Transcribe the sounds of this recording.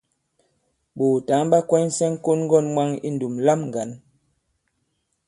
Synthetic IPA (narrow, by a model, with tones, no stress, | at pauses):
ɓuː˨ta˨˦ŋba˦kwɛ˦ɲ˦sɛ˦ŋ˦ko˦nŋ˦ɡɔ˦˨nmwa˦ŋḭ˦n˨du˨mla˦˨mŋ˨ɡa˨˦n